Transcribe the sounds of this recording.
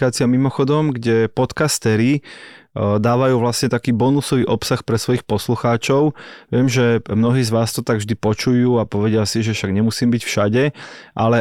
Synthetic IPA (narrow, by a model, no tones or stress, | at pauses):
kaːt͡siamimɔxɔd̪ɔmɡɟɛpɔt̪kast̪ɛɾi | d̪aːʋajuːʋlasɲɛt̪akiːbɔnusɔʋiːʔɔpsaxpɾɛsʋɔjixpɔsluxaːt͡ʃɔʊʋɪɛmʒɛmnɔɦiːzʋaːst̪ɔt̪aɡvʒd̪ipɔt͡ʃujuːapɔʋɛɟɪasiʒɛfʃaɡɲɛmusiːmbicfʃaɟɛʔalɛ